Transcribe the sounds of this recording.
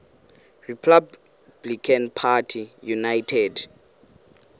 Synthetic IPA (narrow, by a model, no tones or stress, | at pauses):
ripʰab | blikʰanpʰatʰijunajtʰɛd